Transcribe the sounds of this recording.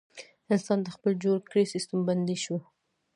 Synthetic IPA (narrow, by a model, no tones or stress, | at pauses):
ɪnsɑnd̪əxpəld͡ʒoɽkɽesist̪əmband̪iʃwu